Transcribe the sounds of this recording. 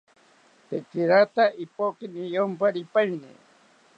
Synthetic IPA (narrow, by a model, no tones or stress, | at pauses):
t̪ekiɾat̪aʔipokɪnijompaɾɪpajnḭ